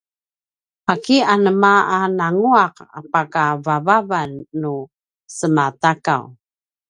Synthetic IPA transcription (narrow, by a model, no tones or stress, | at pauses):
akianəmaanaŋuaqa̰pakavavavanːu | səmataka̰w